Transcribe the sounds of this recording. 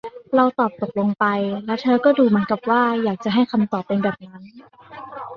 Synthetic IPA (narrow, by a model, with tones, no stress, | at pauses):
ɾa˧wt̪ɔː˨˩p̚t̪o˨˩k̚lo˧ŋpa˧jlɛ˦˥wt̪ʰɤː˧kɔː˥˩duː˧mɯ˦ənka˨˩p̚waː˥˩jaː˨˩k̚t͡ɕa˨˩ɦa˥˩jkʰa˧mt̪ɔː˨˩p̚ːe˧nbɛː˨˩p̚ːŋa˦˥n